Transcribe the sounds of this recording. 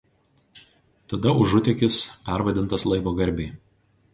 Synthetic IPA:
t̪ɐd̪ɐʊʒʊt̪ʲɛkʲɪspʲæˑɾʋɐd̪ʲɪnt̪ɐslˠɐɪʋoːɡɐɾʲbʲeː

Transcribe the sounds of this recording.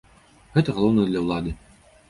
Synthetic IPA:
ɣɛt̪ɐɣɐlˠɔwnɐjɛd̪lʲɐwlˠad̪ɨ

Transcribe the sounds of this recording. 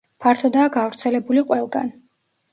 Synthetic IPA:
pʰaɾt̪ʰɔd̪aːɡavɾt̪sʰɛlɛbuliqʼwɛlˠɡa̰n

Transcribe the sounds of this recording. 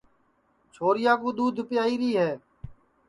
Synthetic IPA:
t͡ʃʰoːɾɪjaːkuːd̪uːd̪ʱpɪjaːiːɾiːɦɛː

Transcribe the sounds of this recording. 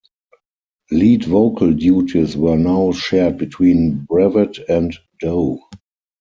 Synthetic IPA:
liːdvoʊkʰəldjuːtʰiswɜ˞naʊʃɛd̚bitʰwĩːnbɹɛvɪtɛ̃nt | d̥oʊ

